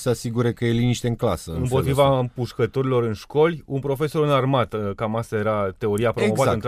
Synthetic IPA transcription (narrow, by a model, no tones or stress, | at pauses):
seasiɡuɾe̞kəjeliniʃt̪eɨŋkla̰səɨmpo̞t̪ɾivampuʃkət̪o̞ɾilo̞ɾɨnʃko̞lʲunpɾo̞fe̞so̞ɾɨnarmat̪kamast̪aje̞ɾat̪e̞o̞ɾiapɾomovat̪ən